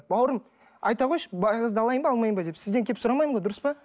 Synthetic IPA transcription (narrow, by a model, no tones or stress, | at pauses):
bɑwɾəm | ɑjt̪ɑʁojʃbɑjʁəzd̪ɑlˠɑjəmbɑɑlˠmɑjəmbɑd̪e̞psɪzd̪eŋkʲʰepsʊɾɑmɑjəmɴʁojd̪ʊɾəspɑ